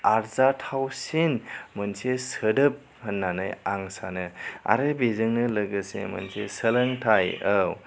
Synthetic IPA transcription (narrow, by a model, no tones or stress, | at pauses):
aɾzatʰawsinmənsesədɯp̚ | hənːanɯjaŋsanɯa̰ɾebezɯŋnɯlɐɡɯsḛmɐ̰nsesəlɐŋtʰajəw